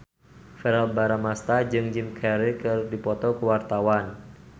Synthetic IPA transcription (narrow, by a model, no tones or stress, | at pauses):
fɛɾalbaɾamast̪ad͡ʒɨŋd͡ʒɪmkʰɛɾikɨrdipɔt̪ɔkəwart̪awan